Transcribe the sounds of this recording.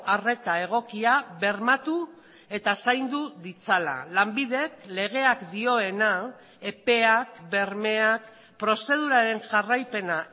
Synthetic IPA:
are̞t̪ae̞ɣ̞o̞kiaβe̞ɾmat̪u | e̞t̪asajnd̪uðit͡sala̰lambiðe̞kle̞ɣ̞e̞akd̪io̞e̞na | e̞pe̞akbe̞ɾme̞ak | pɾo̞se̞ð̞uɾaɾe̞nʝarajpe̞na

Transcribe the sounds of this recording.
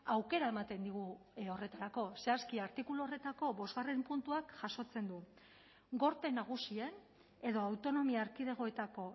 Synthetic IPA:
awke̞ɾae̞mat̪e̞nd̪iɣ̞uo̞re̞t̪aɾako̞se̞askiaɾt̪ikuluore̞t̪ako̞βo̞zɣare̞mpunt̪uakʝaso̞t͡se̞nd̪u | ɡo̞ɾt̪e̞naɣ̞usie̞n | e̞ðo̞awt̪o̞no̞miaːɾkið̞e̞ɣ̞o̞e̞t̪ako̞

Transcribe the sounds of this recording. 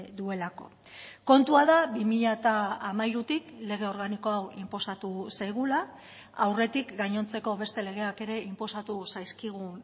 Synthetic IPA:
d̪ue̞lako̞̰ | ko̞nt̪uaðaβimiʎat̪aːmajɾut̪ikle̞ɣ̞e̞o̞ɾɣaniko̞awimpo̞sat̪usajɣ̞ula | awre̞t̪ikɡaɲo̞nt͡se̞ko̞β̞e̞st̪e̞le̞ɣ̞e̞ake̞ɾe̞impo̞sat̪usajskiɣ̞un

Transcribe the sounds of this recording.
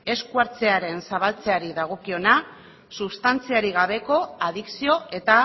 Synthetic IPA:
e̞skuaɾt͡se̞aɾe̞nsaβ̞alt͡se̞aɾiðaɣ̞o̞kio̞na | suβst̪ant͡siaɾiɣaβe̞ko̞aðiksio̞e̞t̪a

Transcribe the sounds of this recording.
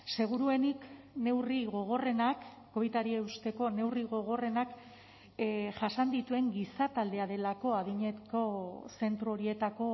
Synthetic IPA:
se̞ɣ̞uɾue̞nik | ne̞wriɣo̞ɣ̞o̞re̞nakː | o̞βit̪aɾieust̪e̞ko̞ne̞wriɣ̞o̞ɣ̞o̞re̞nak | ʝasand̪it̪ue̞ŋɡisat̪ald̪e̞aðe̞lako̞aðiɲe̞ko̞se̞nt̪ɾoo̞ɾie̞t̪ako̞

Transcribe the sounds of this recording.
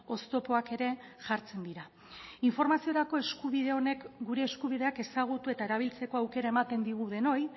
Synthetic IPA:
o̞st̪o̞po̞ake̞ɾe̞ʝaɾt͡se̞nd̪iɾa | iɱfo̞ɾmasio̞ɾako̞e̞skuβið̞e̞o̞ne̞kɡuɾe̞ːskuβ̞iðe̞ake̞saɣ̞ut̪ue̞t̪ae̞ɾaβ̞ilt͡se̞ko̞awke̞ɾae̞mat̪e̞nd̪iɣ̞uð̞e̞no̞j

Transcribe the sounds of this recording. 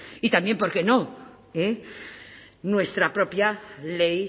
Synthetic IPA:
it̪ambje̞mpo̞ɾke̞no | e | nwe̞st̪ɾapɾo̞pjalej

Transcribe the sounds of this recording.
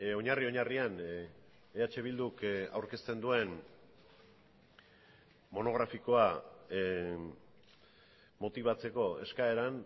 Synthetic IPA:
o̞ɲario̞ɲarian | eat͡ʃe̞β̞ild̪uka̰wɾke̞st̪e̞nd̪ue̞n | mo̞no̞ɣ̞ɾafiko̞a | mo̞t̪iβ̞at͡se̞ko̞e̞̰skae̞ɾan

